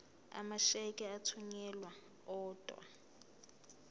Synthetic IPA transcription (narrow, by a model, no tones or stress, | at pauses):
a̰maʃɛkʼɛatʰuɲɛlwa | ɔːdʼwa̰